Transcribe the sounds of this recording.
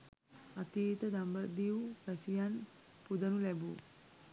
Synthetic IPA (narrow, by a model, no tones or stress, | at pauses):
at̪iːt̪əd̪ambəd̪iwpɛsijan | pud̪ɐnulɛbu